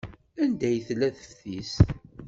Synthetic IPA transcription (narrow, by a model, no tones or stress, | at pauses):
ænd̪æjθlːæθə̥fθis